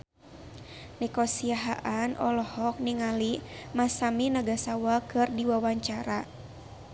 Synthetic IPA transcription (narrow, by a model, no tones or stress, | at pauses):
nikɔsiaɦaʔanʔɔlɔhɔk̚niŋalimasaminaɡasawakɨrdiwawaɲt͡ʃaɾa